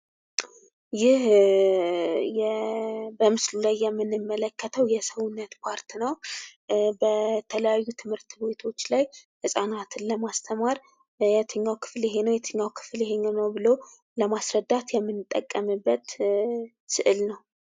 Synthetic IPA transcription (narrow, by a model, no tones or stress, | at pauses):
jɪh | jɛbəmɨslulajːɛmːɨnɨmːələkːət̪ʰəwjɛsəwʊnːət̪pʰaɾt̪ʰinəw | bət̪ʰələjajːut̪ʰɨmhɨɾt̪bet̪ʰo̞t͡ʃːlajhɨsʼanat̪ʰɨnləmast̪ʰəmaɾ | jɛt̪ʰɨɲːawkʰɨ̥fljɛɦenəwjɛt̪ʰɨɲːawkʰɨ̥fljɛhe̞ɲənəwbɨlo | ləmasɾəd̪ːat̪jɛmːɨnɨt̪ʼːəkʼːəmɨbːət̪ | sɨʔɨlnəw